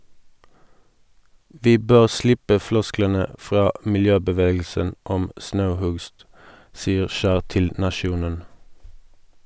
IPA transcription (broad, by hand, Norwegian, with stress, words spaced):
ˈʋiː ˈbøːʁ ˈslɪpə ˈflɔsklənə ˈfʁɑː mɪlˈjøːbəˌʋeːɡl̩sən ˈɔm ˈsnɑʉˌhʉɡst ˈsiːəʁ ˈʃæːʁ ˈtɪl nɑˈʃjuːnən